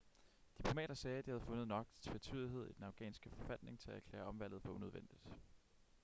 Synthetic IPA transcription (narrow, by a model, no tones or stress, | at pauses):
d̥ipʰlo̝mɛ̰ːɾ̥ɐsɛːd̥ihæðˠfɔ̽nəð̩ˠnɒ̽ɡ̥t͡sʰfet͡sʰyːðˠiɦe̝ð̞̰ˠid̥enɑ̈ʊɡ̥ɛ̰ːnsɡ̥əfɒ̽fæd̥ne̝ŋt͡sʰe̝lææɐkʰlɛ̰ːɐɒ̽mʋæl̰ð̩ˠfɒuneøðˠen̰d̥id̥